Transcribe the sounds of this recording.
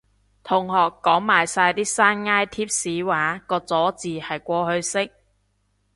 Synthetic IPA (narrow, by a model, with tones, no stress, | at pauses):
t̪ʰʊ˨˩ŋhɔː˨˩kːɔː˨˥ŋmaː˨˩jsaː˧jt̪iː˥saː˥nŋaː˥jt̪ʰiː˥p̚siː˨˥waː˨˥kɔː˧t͡sɔː˨˥t͡siː˨hɐ˨jkʷɔː˧hɵ˧ɥsɪ˥k̚